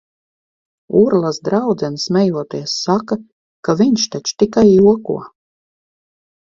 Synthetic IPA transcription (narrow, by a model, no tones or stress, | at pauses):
uɾlˠasd̪ɾawd̪zɛnsmɛjuɔt̪iɛsːaka | kaviɲʃt̪at͡ʃt̪ikajːuɔkṵɔ